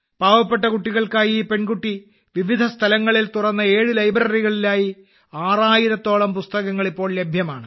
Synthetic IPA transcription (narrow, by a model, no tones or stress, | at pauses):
paːʋɐpːeʈːɐkuʈːiɣɐɭkaːjiːpe̞ɳkuʈːi | ʋiʋid̪ʱɐst̪ʰɐlɐŋːɐɭilt̪urɐnːɐe̞ːɻɨlɐjbɾɐriɣɐɭilaːji | aːraːjiɾɐt̪ːo̞ːɭɐmpust̪ɐɣɐŋːɐɭipːo̞ːɭle̞bʱjɐma̰ːɳɨ